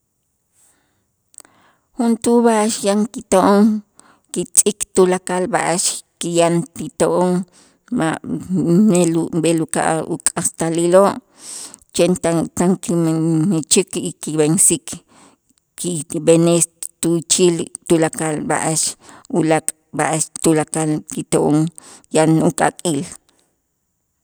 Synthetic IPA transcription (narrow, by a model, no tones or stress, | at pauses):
hunt̪uβaʔaʃjaŋkit̪oʔoŋ | kit͡sʼikt̪ulakalbaʔaʃkijant̪it̪oʔoŋ | ma | melumɓeluka̰ʔṵkʼast̪aliloʔ | t͡ʃent̪at̪aŋkimnet͡ʃikikiβensik | kibenest̪ut͡ʃiːlt̪ulakalba̰ʔaʃulakʼ | baʔaʃt̪ulakalkit̪oʔoŋ | janukʼakʼiːl